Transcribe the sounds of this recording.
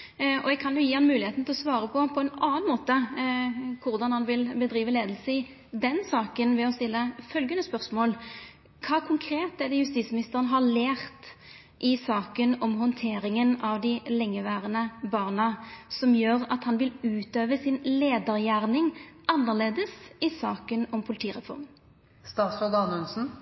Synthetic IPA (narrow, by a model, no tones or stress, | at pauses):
ɔɛɡ̚kʰɑnjʊjiːhɑnmʉːlɪheːt̪n̩t̪ɪlɔsʋɑːɾəpʰɔpʰɔɛnɑːənmoːt̪ə | kʰʊɾd̪ɑnhɑnʋɪlbəd̪ɾiːʋəleːd̪lsəɪ | d̪ɛnsɑːkənʋɛɔst̪ɪlːəfœlɡənəspœʁsmoːl | kʰɑːkʰʊŋkʰɾeːt̪ɛd̪ɛjʉst̪it̪smɪnɪst̪əʁənəɦɑleːɾt̪ | ʔɪsɑːkənɔmɦɔnt̪ʰeːɾɪŋənɑʋd̪ɪlɛŋːəʋæːʁənəbɑːʁnəsɔmjøːɾɑt̪hɑnʋɪlʉːt̪øːʋəsɪnleːd̪əɾjæːʁnɪŋʔɑnːəʁleːd̪əsɪsɑːkənɔmpʰʊlɪt̪ʰiːʁɛfɔ̰ʁm | st̪ɑːt̪sɔd̪ɑnʉnsn̩